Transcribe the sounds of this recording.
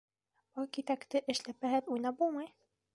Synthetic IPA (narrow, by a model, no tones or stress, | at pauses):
bokit̪ækt̪ɘʔɘ̆ʃlæpːæɦɘt̪ujnɑp̚bulˠmɤj